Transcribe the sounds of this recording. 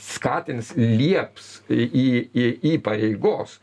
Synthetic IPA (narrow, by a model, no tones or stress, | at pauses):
skɑːt̪ʲɪnslʲiɛpsiːiːpɐɾʲɛɪɡoːs